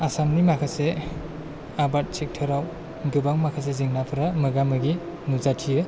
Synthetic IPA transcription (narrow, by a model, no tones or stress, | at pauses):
asamnimakʰase | abat̚t͡ʃek̚tʰɯɾaw | ɡɯbaŋmakʰas̬ezɯŋnapʰɯɾamɯɡamɯɡi | nuzatʰijɯ